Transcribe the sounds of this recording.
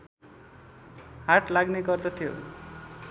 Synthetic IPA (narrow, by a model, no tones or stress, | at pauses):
ɦaʈlaɡnekʌrt̪ot̪ʰijo̰